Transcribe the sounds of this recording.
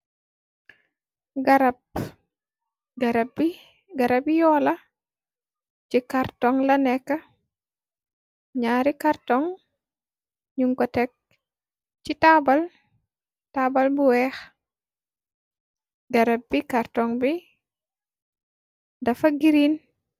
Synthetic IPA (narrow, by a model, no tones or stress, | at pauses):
ɡaɾab̚ | ɡaɾbi | ɡaɾabijɔːlɐ | t͡ʃikaɾtɔŋlɐnɛkːɐ | ɲaːɾikaɾtɔŋ | ɲuŋkɔtɛk̚ | t͡ʃitabal | tabalbuwɛx | ɡaɾab̚bikaɾtɔŋbi | dɐfɐɡiɾin